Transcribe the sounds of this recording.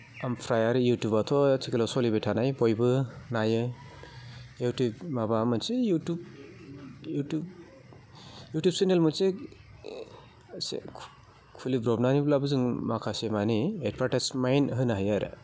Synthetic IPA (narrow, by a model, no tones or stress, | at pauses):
ampʰɾajaɾɯjutjubatʰɔt͡ʃʰikelɔsɔlibetʰanajbɔjbɯnajɯ | jutubmabamɯnsejutub | jutub | jutjub̚senelmɯse | sḛ | kʰulibɾɔbnaniblabɯzɯŋmakʰasemaniet̚pʰaɾʈasmajnɦɯnaɦajaɾɯ̰